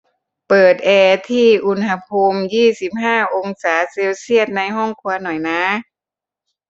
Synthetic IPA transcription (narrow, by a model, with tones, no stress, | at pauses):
pɤː˨˩t̪̚ʔɛː˧t̪ʰiː˥˩ʔu˧˥nɦa˧pʰuː˧mjiː˥˩si˨˦p̚ɦaː˥˩ʔo˧ŋsaː˩˦se˧wsi˥˩ət̪̚na˧jɦɔ˥˩ŋkʰu˧ɐnɔ˨˩jnaː˧˥